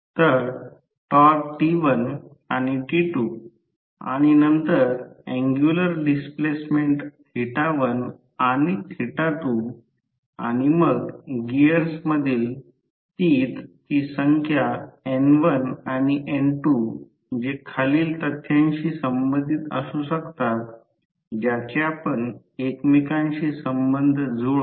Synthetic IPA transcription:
t̪əɾ | ʈɔk̚ʈiʋən | añiʈiʈu | a̰ɽ̃inənt̪əɾɛ̃ŋɡjuləɾɖisplesmeɳʈ̪ʰ | iʈaʋən | añit̪ʰiʈat̪u | a̰ɽ̃iməɡɡiəɾsməd̪ʱiːl | t̪iːt̪kiːsəŋkʰjaenʋənaɽ̃iʔenʈu | d͡ʑekʰaliːlt̪ət̪ʰːjãɲɕiːsəmbənd̪ʱit̪ə̰susəkt̪at̪̚ | d͡ʑjat͡ɕeapəɳ | ekmikãɲɕiːsəmbənd̪ʱd͡zʱoɭ

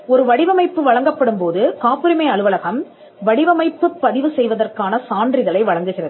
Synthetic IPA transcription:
ɔɾɯʋɐɽɪʋɐmɐɪpːɯʋɐɻɐŋɡɐpːɐɽɯmpoːðɯkaːpːɯɾɪmɐɪɐɭɯʋɐlɐɣɐm | ʋɐɽɪʋɐmɐɪpːɯpːɐðɪʋɯsɛjʋɐðɐrkaːnɐsaːndrɪɣɐlɐɪʋɐɭɐŋɡɯɣɪrɐðɯ

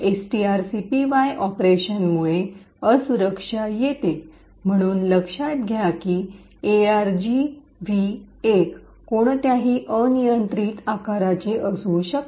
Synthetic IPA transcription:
esʈiaɾsipiʋajʔɔpɾeɕənmuɭe | əsuɾəkʂajet̪e | m̤əɽ̃uːnləkʂat̪̚ɡʱjakiː | eaɾd͡ʑi | ʋi | ek | koɳ̃t̪jaɦiːʔənijənt̪ɾiːt̪akaɾat͡ɕeʔəsuːɕək̪

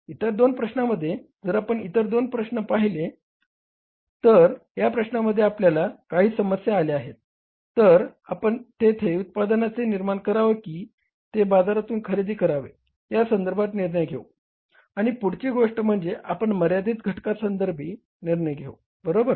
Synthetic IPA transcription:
it̪əɾd̪onpɾəɕnaməd̪ʱːjed͡zəɾapəɳit̪əɾd̪onpɾəɕɳəpaɦile | t̪əɾɦjapɾəɕnaməd̪ʱːjeapljalakaɦiːsəməsjaːleaɦet̪̚ | t̪ːəɾapəɳt̪et̪ʰeut̪̚pad̪nat͡seniɾmaɳkəɾaʋekiː | t̪ebad͡zaɾat̪uːnkʰəɾid̪iːkəɾaʋḛ | jasənd̪əɾbʱat̪niɾɳəjɡʱeu | aɽ̃ipuɽ̤t͡ɕiːɡoʂʈəm̤əɳd͡zeʔapəɳməɾjad̪iːt̪ɡʱəʈkasənd̪əɾbʱiː | niɾɳəjɡʱew | bəɾobəɾ

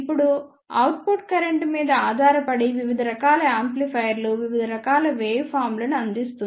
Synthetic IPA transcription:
ipːuɽu | ɐ̰wʈ̚puʈ̚kɐɾeɳʈmiːd̪ɐaːd̪ʱaːɾɐpɐɽiʋiʋid̪ʱɐɾɐkaːlɐaːmplipʰɐjɐɾluʋiʋid̪ʱɐɾɐkaːlɐʋeːjpʰaːɾmlɐnuɐnd̪ist̪uni

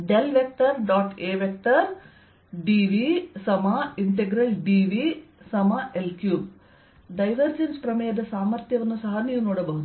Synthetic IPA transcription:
ɖelʋek̚t̪ɐɾɖaːʈeːʋek̚t̪ɐɾ | ɖiʋisɐmɐiɳʈeɡɾɐɭɖiːʋisɐmɐʔelkjuːb | ɖɐjʋɐɾd͡ʒenspɾɐmɐjɐd̪ɐsaːmɐɾt̪jɐʋɐnːusɐɦɐniːʋunoːɽɐbɐɦud̪u

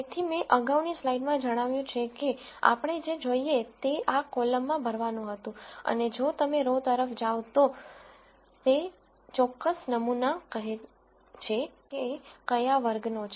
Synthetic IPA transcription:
et̪ʰimẽʔəɡaʋnislaiɖmãd͡ʒəɽ̃aʋjũt͡ʃʰeke | a̰pəɳ̃ed͡ʒed͡ʒoiet̪eʔakoləmːãbʱəɾʋanũɦət̪ũə̰ned͡ʒot̪əmeɾot̪əɾəfd͡ʒaʋt̪o | t̪e | t͡ʃɔkːəsnəmunakəɦe | t͡ʃʰekeːkəjaʋəɾɡnot͡ʃʰ

